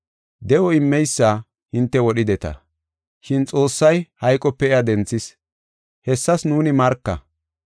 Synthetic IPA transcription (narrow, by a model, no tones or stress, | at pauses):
d̪ɛwɔɪmːɛjsːaː | hɪnt̪ːɛwɔɗɪd̪ɛt̪ɐ̰ | ʃɪnt͡sʼo̞ːsːɐjhɐjkʼɔpːɛɪjad̪ɛnt͡sːɪs | hɛsːɐsnuːnɪmɐɾkːɐ̰